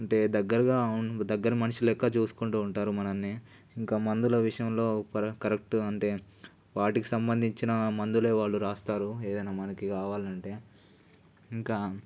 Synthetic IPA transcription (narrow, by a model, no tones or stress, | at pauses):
ɐɳʈe̞ːd̪ɐɡːɐɾɐɡaːd̪ɐɡːɐɾɐmɐnɐʂilɛkːaːt͡ʃuːsu̥kuɳʈuːuɳʈaːɾumɐnɐmni | iŋkaːmɐnd̪ulɐʋiʂɐjɐmlo̞ːpɐkɐɾek̚ʈuɐɳʈe̞ː | ʋaːʈiki̥sɐmbɐnd̪ʱiɲt͡ʃinɐmɐnd̪ule̞ːʋaːɭːuɾaːst̪aːɾue̞ːd̪ɐjnaːmɐnɐkikaːʋaːlɐɳʈe̞ː | iŋkaː